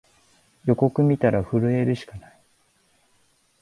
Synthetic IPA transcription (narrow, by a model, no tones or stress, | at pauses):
jo̞ko̞kɯ̟mʲit̪aɾaɸɯ̟ɾɯ̟e̞ɾɯ̟ɕi̥kanai